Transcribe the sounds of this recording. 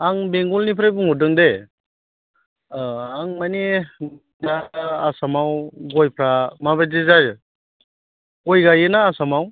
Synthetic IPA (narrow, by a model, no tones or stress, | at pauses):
aŋbeŋɡɔlnipʰɾajbuŋɔdɯŋde | aŋmane | naːsamawɡɔjpʰɾamabajdezaɾɯ | ɔjɡajɯnaːsamaw